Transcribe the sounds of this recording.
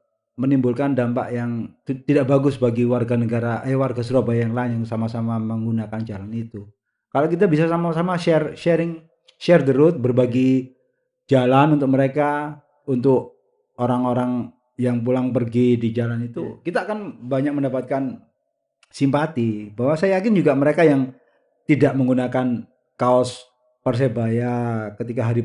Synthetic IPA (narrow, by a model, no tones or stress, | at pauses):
mənimbʊlkandampa̰ʔjaŋt̪t̪idaʔbaɡʊsbaɡiwarɡanəɡaɾaʔəwarɡasəɾobajaŋlaɪnjaŋsamasamaməŋɡunakand͡ʒalanit̪u | kalokit̪̬abisasamasamaʃɛrʃɛɾɪŋ | ʃɛrd̪əɾʊt̪̚bərbaɡi | d͡ʒalanunt̪ʊk̚məɾeka | unt̪ʊk̚ | oɾaŋoɾaŋ | jaŋpulaŋpərɡidid͡ʒalanit̪ṵkit̪aːkanbaɲak̚məndapat̪̚kan | simpat̪ibawasajakɪnd͡ʒuɡaməɾekajaŋ | t̪idaʔməŋɡunakan | kaɔs | pərs̬ebajakət̪ikaɦaɾi